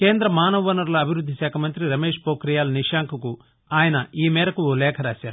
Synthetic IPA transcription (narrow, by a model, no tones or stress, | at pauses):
ke̞ːnd̪ɾɐmaːnɐʋʋɐnɐɾlɐːbʱiɾud̪ʱːisɛːkʰɐmɐnt̪ɾiɾɐmeːʂpoːkɾijaːlɐniʂaːŋkʰɐku | aːjɐnɐiːmɛːɾɐkulɛːkʰɐɾaːsaːɾuu